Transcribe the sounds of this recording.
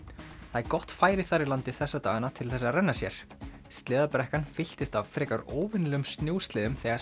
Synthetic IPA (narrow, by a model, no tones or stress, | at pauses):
θaɛkɔht̪faːjɾɪθaɾɪlant̪ɪθɛsːat̪a̰ːɣanat̪ʰɪlθɛsːaɾɛnːasjɛ̰ɾ̥ | st̪lɪːðapɾɛhkanfɪl̥t̪ɪst̪avfɾɛːkaɾoːwvɪnlɛʏmst̪njuwst̪lɪːðʏmθɛːɣa